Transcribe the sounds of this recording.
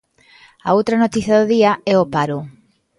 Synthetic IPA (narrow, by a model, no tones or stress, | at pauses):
aowt̪ɾanot̪iθjɐðoðiaɛopaɾo